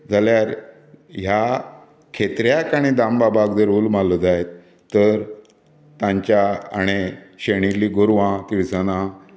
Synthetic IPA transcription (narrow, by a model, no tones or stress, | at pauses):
d͡zʱaljaɾ | ɦja | kʰet̪ɾjakaɽ̃id̪ambabaɡd̪əɾuːlmalod͡zaet̪ː | əɾ | t̪ãɲt͡ɕaa̰ɽ̃eɕeɽ̃iliːɡoɾʋãt̪iɾsanã